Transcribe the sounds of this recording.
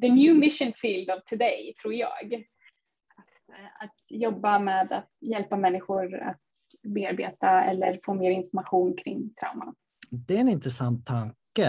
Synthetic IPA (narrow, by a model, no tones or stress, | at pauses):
d̪ənjʉːmɪʃənfiːld̪ɑvt̪ʰɵd̪ɛjt̪ʰɾuːɾjɑ̰ːɡ | at̪ | at̪jɔbːameːd̪at̪jɛlpamɛnːɪɧʊɾa̰t̪ | beːaɾbeːt̪aɛ̰lːəɾfoːmeːɾɪnfɔɾmaɧuːnkʰɾɪŋːt̪ʰɾa̰ʊma̰ | d̪ɛɛnɪnt̪ɾɛsant̪ʰːaŋkə